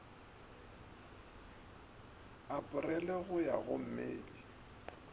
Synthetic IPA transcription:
apʼʊrɛlɛɣʊja̰ɣʊ̰m̩mḛːli

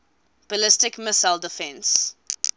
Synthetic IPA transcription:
b̥əlɪstɪkmɪsaɪldəfɛ̃ns

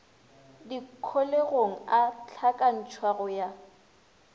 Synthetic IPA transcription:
dikʰoleɣoŋ̩at͡ɬʰakʼan̩t͡ʃʰwaɣɔja

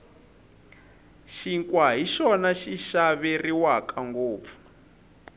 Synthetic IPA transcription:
ʃiŋkʼwaɦiʃɔnaʃiʃaβɛriwakaŋɡoːp̪fu̥

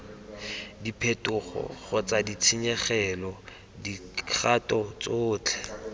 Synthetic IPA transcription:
dipʰetʼʊχɔ̰χʊt͡sadit͡sʰiɲɛχɛlɔ | dikʰχatʼɔt͡soːt͡ɬʰɛ̥

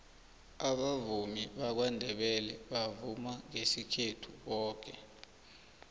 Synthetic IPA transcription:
aɓavumiɓak̬wandʱɛɓɛlɛɓavumaŋesikʰetʰuɓɔːk̬ɛ

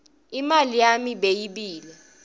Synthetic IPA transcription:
imalijamiɓejiɓiːlɛ

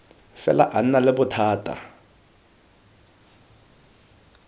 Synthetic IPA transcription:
fɛ̰la̰ʔan̩nalɪbʊtʰaːtʼa̰

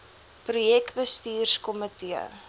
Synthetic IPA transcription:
prujɛkbəstiːrskɔmətiə̰

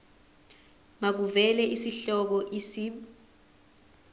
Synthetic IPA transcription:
mak̬uvɛlɛʔisiɬɔk̬ɔʔisiːɓ

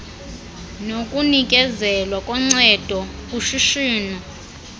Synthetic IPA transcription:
nokʼunikʼɛzɛlwakʼɔŋ͡ǀɛd̥ʱɔuʃiʃiːnɔ

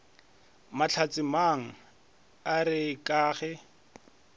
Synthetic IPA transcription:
mat͡ɬʰat͡sʼɪmaŋ̩ | aɾɪkʼaːχɛ

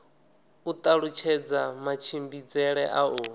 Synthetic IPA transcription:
ut̪ʼaɺut͡ʃʰɛd͡zamat͡ʃʰimbid͡zɛɺɛʔauː

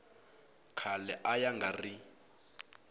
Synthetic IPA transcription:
kʰalɛʔajaŋɡari

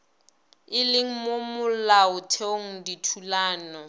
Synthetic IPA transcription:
ɪlɪŋ̩momʊlaʊtʰeoŋ̩ditʰulaːnɔ

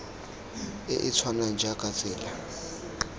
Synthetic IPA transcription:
ḛʔit͡sʰwanand͡ʒʱaɡ̥ʱat͡sʼɛːla

